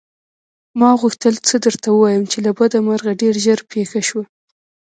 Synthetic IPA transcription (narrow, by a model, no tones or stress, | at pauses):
mɑɣuxt̪əlt͡səd̪əɾt̪awəwɑjəmt͡ʃelabad̪amaɾɣaɖeɾʒəɾpʰexaʃwa